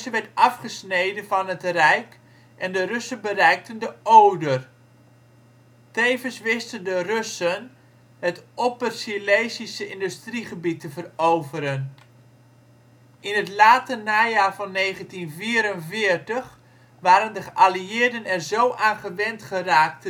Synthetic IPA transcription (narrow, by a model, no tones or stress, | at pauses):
səʋɛɹtɑfχəsnejdənvɑnɦətrɛjk | ʔɛndərʏsənbərɛjk̚təndəʔowdər | tejvənsʋɪstəndərʏsən | ətʔopərsilejsisəɪndystriχəbitəvərowvəɾən | ɪnɦətlaːtənaːjaːrvɑnːejχəntinviːɾənvɪːrtəχ | ʋaːɾəndəχəʔaliɪːrdənɛrzowʔaːnχəʋɛntχəraːk̚t